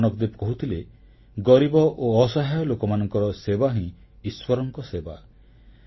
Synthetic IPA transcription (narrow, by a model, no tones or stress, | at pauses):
nɔkd̪ipkɔɦut̪ʰile | ɡɔɾibɔʔoːsaɦajɔlokɔmanɔŋkɔɾɔsebaɦĩ | iswɔɾɔŋkɔseba